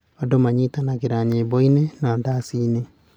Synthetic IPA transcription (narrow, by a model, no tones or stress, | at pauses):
odomaɲitanaɣeɾaɲebɔinenaɔndasiːne